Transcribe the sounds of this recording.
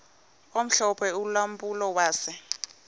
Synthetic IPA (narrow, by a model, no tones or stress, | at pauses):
om̩ɬɔpʰɛulam̩bʼulɔwaːsɪ